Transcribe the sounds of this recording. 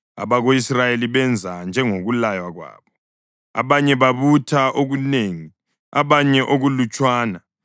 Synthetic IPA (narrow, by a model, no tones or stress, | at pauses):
a̰βaɣoisrajeliβɛnd͡zʱand͡ʒʱɛŋoɣulajwaɣwa̰ːβɔ | a̰βaɲɛβaβutʰaʔoɣuneːŋi | aβaɲɛʔoɣulut͡ʃʼwaːna